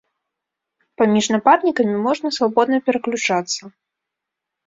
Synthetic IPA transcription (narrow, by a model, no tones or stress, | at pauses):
pamʲiʐnapad̪nʲikɐmʲimɔʐnɐsvabɔd̪̚nɐpʲɛɾɐklʲut͡ʂat̪sːɐ